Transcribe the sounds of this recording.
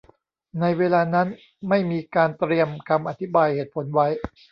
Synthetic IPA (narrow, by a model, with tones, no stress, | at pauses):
na˧jweː˧laː˧na˦˥n | ma˥˩jmiː˧kaː˧nt̪ɾi˧əmkʰa˧mʔa̰˧˩t̪ʰi˦˥baː˧jheː˨˩t̪̚pʰo˩˦nwa˦˥j